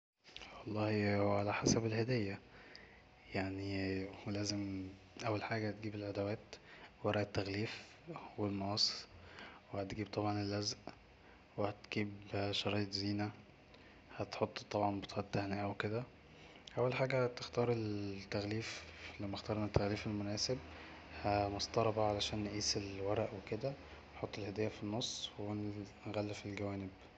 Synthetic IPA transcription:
wɑlˤːɑːhihʕalæħasæbelhed̪ejːæ | jaʕnilæːzem | ʔæwːælħaːɡæhæt̪̚ɡiːbelʕad̪æwæːt̪wɑɾˤɑːʔet̪ːæɣliːf | welmɑːsˤ | wehæt̪ɡiːb̚t̪ˤɑbʕɑnelːæzʔ | wehæt̪ɡ̥iːbʃɑɾˤiːjt̪ˤziːnæ | hæt̪ħot̪ˤːt̪ˤːɑbʕɑnbet̪ːt̪ːæhnæːʔæweked̪æ | ʔæwːælħaːɡæt̪ext̪ɑːɾˤelt̪ːæɣliːflæmːæxt̪ɑːɾˤenːæt̪ːæɣliːfelmʊnæːseb̚ | hæmost̪ˤɑɾˤɑbæʕalæʃæːnːʔiːselwæɾˤæʔweked̪æ | wenħot̪ˤːelhæd̪æjːæfinːosˤːwennɣælːefelɡæwæːneb

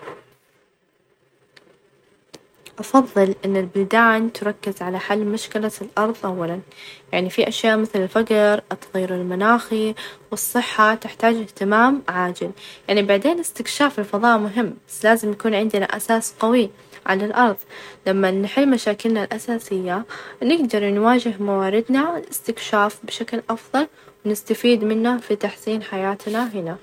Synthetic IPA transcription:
ʔɑfɑðˤːɨlʔɪnːɪlbʊld̪aːnt̪ɾˤɑkːɪzʕalaħalːmʊʃkɪlalʔɑɾˤðˤʔawːalanjaʕnifiʔaʃjaːʔmɪθlɪlfaqɾt̪ːɣiːɾɪlmanaːxiwɨsˤːɨħːat̪ɪħt̪aːd͡ʒɪht̪ɪmaːmʕaːd͡ʒɪljaʕnibaʕd̪eːnɪst̪ɪkʃaːfɪlfɑðˤɑːʔmʊɦɪmːbasːlaːzɪmjakuːnʕɪnd̪ɪna̰ʔasaːsqawi | ʕa̰lalʔɑɾˤðˤlamːanɪħɪlːmaʃaːkɪlnalʔasaːsɪjːanɪɡd̪ɑɾˤnwaːd͡ʒɪɦmawaːɾɪd̪nalɪst̪ɪkʃaːfbɪʃaklʔɑfðˤɑl | wnɪst̪afiːd̪mɪnːafit̪aħsiːnħajaːt̪naɦɪna

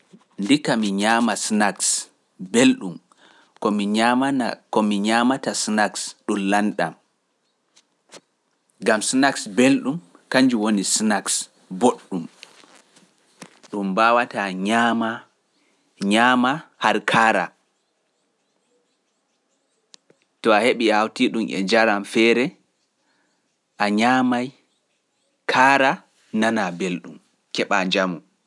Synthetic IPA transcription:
ndikamiɲaːmasnaks | belɗum | kɔmiakɔmiɲaːmatasnaksɗumlanɗa̰m | ɡamsnaksbelɗum | kaɲd͡ʒuwonisnaks | boɗːum | ɗumbawataɲama | ɲamahaɾkʰaːɾa̰ | tɔaheɓiawtiɗumʔɛ̰d͡ʒaɾamfɛːɾɛ | ʔaɲaːmaj | kʰaːɾa | nanabelɗum | kɛɓaɲd͡ʒamu

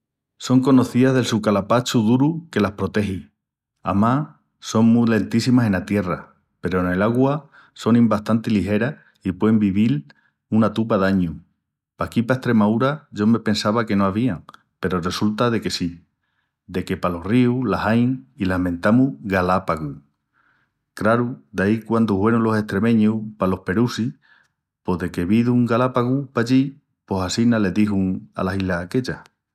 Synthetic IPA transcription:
so̞ŋko̞no̞θiðaɦðe̞lsukalapat͡ʃuðuɾuke̞lahpɾo̞t̪e̞ɦi | a̰ma | so̞ŋmule̞nt̪isimase̞nat̪je̞ra | pe̞ɾo̞ene̞laɣwa | so̞nĩmbaht̪ant̪iliɦe̞ɾa | ipweembiβil | unat̪up̬aðaɲu | pakipaeht̪ɾe̞mauɾaʝo̞me̞pe̞nsaβake̞no̞aβiaŋ | pe̞ɾo̞re̞sult̪aðe̞ke̞si | d̪e̞ke̞palo̞hriulasajŋilahmẽ̞nt̪amuɣalapaɣu | kɾaɾud̪aikwand̪uhwe̞ɾulo̞se̞ht̪ɾe̞mẽ̞ɲupalo̞hpe̞ɾusi | po̞ðe̞keβiðuːŋɡalapaɣupaʎi | po̞sasinale̞ðiɦuŋa̰lasilake̞ʎa

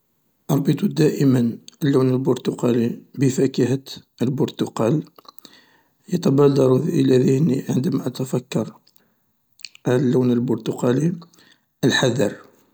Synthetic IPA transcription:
ʔɑɾˤbət̪ud̪æʔəmənəlːuwnəlbʊɾt̪ʊqɑlibəfækəht̪ | əlbʊɾt̪ʊqɑl | jət̪ɑbɑld̪ɑɾuðʔəlæðəhniʕənd̪əmæʔət̪æfækːɑɾˤ | əlːuwnəlbʊɾt̪uqɑli | ʔəlħaðɑɾˤ

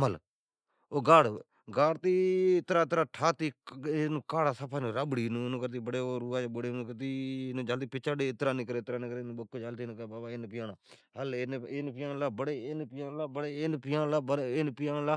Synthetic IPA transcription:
məl | oːɡaːɽ | ɡaːɽt̪iːɪt̪ɾaːt̪ɾaːʈʰaːt̪iːnũːkaːɽaːsəpʰaːnũːɾaːbɽiːnũːnũːkəɾt̪iːbəɽeːoɾuːaːd͡ʒabəɽeːnũːkəɾt̪iːnũːd͡ʒaːlt̪iːpɪt͡ʃaːɖeːɪt̪ɾaːnĩːkəɾeːt̪ɾaːnĩːkəɾeːnũːbəkːoːd͡ʒaːlt̪iːñːkːbaːbaːɪnpɪjãːnaː | ɦəlenenpɪjaːnlaːbəɽeːɪnpɪjaːnlaːbəɽeːɪnpɪjãːnlaːbəɪnpɪjãːnlaː

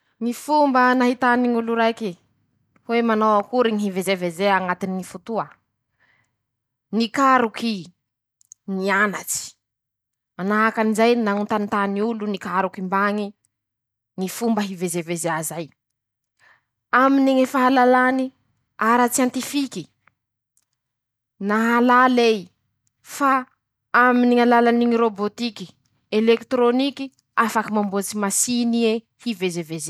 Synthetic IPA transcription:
ŋifumbənaɦit̪aniŋuluɾajki | hwemanowakuɾiŋiɦivezevezeaŋat̪iniŋifut̪uə | nikaɾuki | nianat͡si̥ | manaakanizajnaŋunt̪anit̪aniulunikaɾukimbaŋi | ŋifumbəɦivezevezeazaj | amineŋefaɦalalani | aɾat͡siant̪ifiki | naɦalalej | fa | aminiŋalalaniŋiɾobot̪iki | elekt̪ɾoniki | afakimambot͡simasinie | hivezeveze

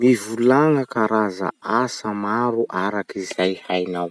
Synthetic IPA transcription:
mivulaŋəkaɾaza̰asəmaɾuʔaɾakizajhajnaw

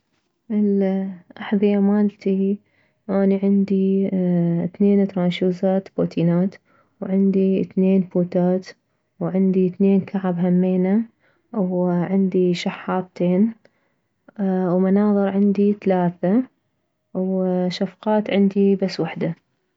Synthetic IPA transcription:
ʔɪlʔaħðˤiʔamaːlt̪ʰi | ʔaːniʕɪnd̪i | θneːnt̪ɾˤɑːnʃuːzaːt̪boːt̪ʰiːnaːt̪ | wʕɪnd̪iθneːnfuːt̪aːt̪ | wʕɪnd̪iθneːnkʰaʕabɦamːeːna | wʕɪnd̪iʃaħːɑːt̪ˤt̪eːn | wmanɑːðˤɨɾʕɪnd̪iθalaːθa | wʃafqɑːt̪ʕɪnd̪ibasːwaħd̪a

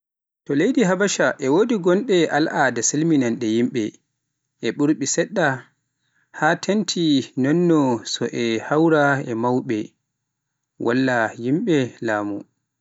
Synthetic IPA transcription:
tɔlejdiɦabaʃaʔɛwodiɡɔnɗɛʔalʔadasilminanɗɛjimɓɛ | ʔɛɓuɾɓisɛɗːa | hatʰentʰinɔnːɔsɔʔɛhawɾaɛmawɓɛ | wʔa̰lːajimɓɛlaːmṵ

